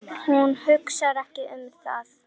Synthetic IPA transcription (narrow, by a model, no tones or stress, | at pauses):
hunhʏksaɾɛhcɪʔʏmɾ̥θa̰ð